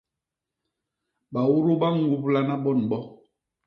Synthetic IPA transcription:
ɓa˨wu˦ɾu˦ɓa˦ŋ˨ɡu˨pla˦na˦ɓɔ˦˨n˨ɓɔ˦

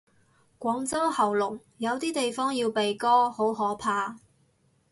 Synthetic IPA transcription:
kʷɔː˨˥ŋt͡sɐ˥whɐ˨˩wlʊ˨˩ŋ | jɐ˨˧wt̪iː˥t̪e˨jfɔː˥ŋjiː˧wpe˨jkɔː˥ho˨˥wɦɔː˨˥pʰaː˧

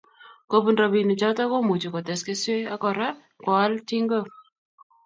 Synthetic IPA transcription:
ko˨pu˨nɾɔ˨bi˨ni˨t͡ʃa˦tɔ˦ko˦mu˨t͡ʃu˨kɔ˨tɛ˨ske˦swe˦a˦kɔ˨ɾa˦ | kwɔ˨˦lti˦ŋɡo˦˨

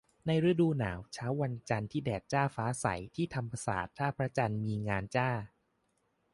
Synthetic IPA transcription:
na˧jɾɯ˦˥duː˧naː˩˦wt͡ɕʰaː˦˥wːa˧nt͡ɕa˧nt̪ʰiː˥˩dɛː˨˩t̪̚t͡ɕaː˥˩faː˦˥sa̰˩˦jt̪ʰiː˥˩t̪ʰa˧mpa˧sa̰ː˨˩t̪ʰːaː˥˩pʰɾa˦˥t͡ɕa˧nmiː˧ŋaː˧nt͡ɕaː˥˩

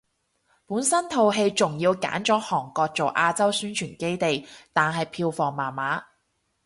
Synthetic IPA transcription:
puː˨˥nsɐ˥nt̪ʰo˨wɦe˧jt͡sʊ˨ŋjiː˧wka̰ː˨˥nt͡ʃɔː˨˥hɔː˨˩ŋkɔː˧k̚t͡so˨wʔaː˧t͡sɐ˥wsyː˥nt͡ʃʰyː˨˩nke˥jt̪e˨˩jt̪aː˨nɦɐ˨jpʰiː˧wfɔː˨ŋmaː˨˩nmaː˨˥

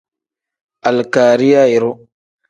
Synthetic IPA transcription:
a˨lkaː˨ɾi˦ja˦i˨ɾo˦

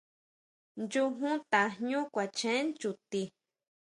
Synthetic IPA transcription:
nd͡ʒu˧ɦũ˦t̪a˨ɲũ˦kʷa˨t͡ʃẽ˨˦nd͡ʒu˨t̪i˧

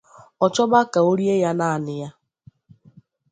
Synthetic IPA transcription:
ɔ˨t͡ʃɔ˦ba˦ka˨o˦ɾi˦e˦ja˦na˦a˨nɪ˨ja˦

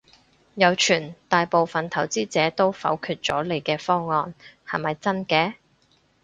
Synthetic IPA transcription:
jɐ˨˧wt͡ʃʰyː˨˩nt̪aː˨jpo˨wfɐ˨nt̪ʰɐ˨˩wt͡siː˥t͡sɛː˨˥t̪o˥wfɐ̰˨˥wkʰyː˧t̚t͡sɔː˨˥le˨jkɛː˧fɔː˥ŋɔː˧nhɐ˨jmɐ˨jt͡sɐ˥nkɛː˧˥

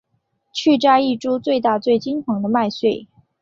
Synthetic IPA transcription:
t͡ɕʰy˥˩ʈ͡ʂa˥i˥˩ʈ͡ʂu˥t͡swe˥˧ɪt̪̬a˥˧t͡swe˥˩ɪt͡ɕi˥ntʰɤ˧˥ŋd̪ə˧ma˥˧ɪswe˥˩ɪ

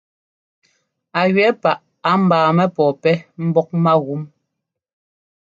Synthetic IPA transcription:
a˨ɥɛ˨˦pa˨ʔ | a˨˦m̩˨baː˨mɛ˦pɔ˨pɛ˦m̩˦bɔ˦k̚ma˦ɣu˨˦m

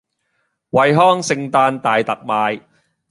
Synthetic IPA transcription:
wɐ˨˧jɦɔː˥ŋsɪ˧ŋt̪aː˧nt̪aː˨˩jt̪ɐ˨˩k̚maː˧j

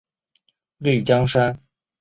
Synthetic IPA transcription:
ly˥˩t͡ɕjɑ˥ŋʂa˥n

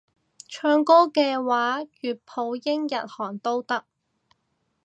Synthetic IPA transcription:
t͡ʃʰœː˧ŋkɔː˥kɛː˧waː˨˥jyː˨t̚pʰo˨˧wjɪ˥ŋjɐ˨t̚hɔː˨˩ŋt̪o˥wt̪ɐ˥k̚

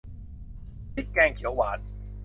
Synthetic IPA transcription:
ti˦˥t̚kɛː˧ŋkʰi˨˩˦əwaː˨˦˥t̪̚

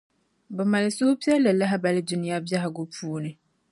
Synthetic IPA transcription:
bɔ˨ma˨lɪ˨su˦hʊ˦pi˦ɛ˦lɛ˨la˦ɦa˦ba˨lɪ˦du˦nɪ̃˦ja˦bja˦ɦa˨ɡʊ˦pʰuː˦nɪ˨

